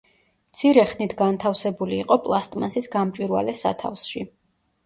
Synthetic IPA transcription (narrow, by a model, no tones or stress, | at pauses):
mt̪sʰiɾɛχnit̪ʰɡant̪ʰafsɛbuliːqʼɔpʼlˠast̪ʼmansisɡamt͡ʃʼwiɾwa̰lɛsa̰t̪ʰa̰fsʃi